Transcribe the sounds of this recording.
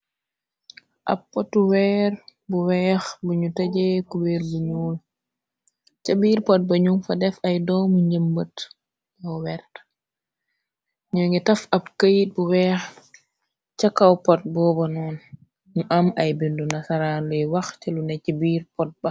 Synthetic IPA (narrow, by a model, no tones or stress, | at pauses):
ʔa̰pːɔtːuwɛːɾbuwɛːxbuɲutaɟɛkuwɛɾbuɲuːl | t͡ʃabiːɾpɔt̚bɐɲumfɐdɛfajdɔmuɲɟəmbət | ɔwɛɾt | ɲɔŋɡɛtɐfɐb̚kajt̚buwɛːx | t͡ʃakːawpɔt̚bɔːbɐnɔn | muʔamɐjbindunasaɾaːnlɛjwaxt͡ʃɛlunɛcabiːɾpɔt̚bɐ